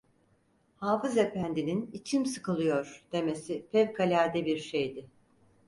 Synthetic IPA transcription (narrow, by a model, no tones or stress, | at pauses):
haːfɯze̞pænd̪ininit͡ʃʰimsɯkɯlˠɯjo̞ɾ̥d̪̥e̞me̞sipʰɛvkʰalʲæɾd̪ɛbiɾʃe̞jd̪ɪ